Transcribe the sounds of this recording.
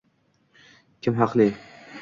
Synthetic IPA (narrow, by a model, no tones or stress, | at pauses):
kʲʰɪmɦɑqlˠɪ